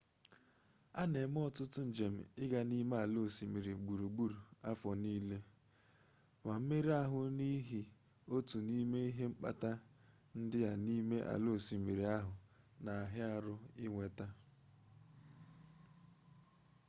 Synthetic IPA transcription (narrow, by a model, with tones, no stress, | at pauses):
a˦ne˨˦m˦ɔ˦tʊ˦tʊ˦n̩˨d͡ʒe˨m̩̰˨ɪ˦ɡa˨ni˦me˦a˨lo˦˨si˨mi˨ɾi˨ɡ͡bu˨ɾu˨ɡ͡bu˦ɾu˨a˦fɔ˨niː˦le˦ | ma˨m̩˦me˦ɾi˦a˦ɦʊ˨ni˦ɦi˨ | o˦tu˨ni˦me˦i˦ɦe˦ŋ͡m̩˦k͡pa̰˦ta˦ | n̩˦dɪ˦ja˨ni˦me˦ʔa̰˨lo˦˨si˨mi˨ɾi˨a˦ɦʊ˨ | na˨a˨ɦɪ˦a˦ɾʊ˦ɪ˦ŋʷe˨ta˦